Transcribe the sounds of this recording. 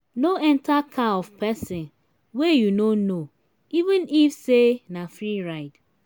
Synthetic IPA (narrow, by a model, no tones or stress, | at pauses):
noɛntʰakʰaɔv̥pʰɛsɪ̃n | wejunono | ivɨ̃nifsenafɾiɾaɪt